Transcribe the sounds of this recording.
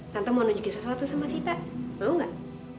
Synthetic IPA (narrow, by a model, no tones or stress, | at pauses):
t̪ant̪amanuɲd͡ʒukisəsuat̪usamasit̪abauŋɡaʔ